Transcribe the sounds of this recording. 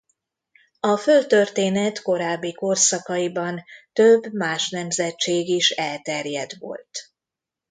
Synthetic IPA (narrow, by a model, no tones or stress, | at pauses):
ɒfølt̪ø̞rt̪eːnɛt̪ko̞ɾaːbːiko̞rsɒkɒibɒnt̪øbːmaːʃnɛmzɛt͡ʃeːɡiʃɛlt̪ɛrjɛd̪ʋo̰lt̪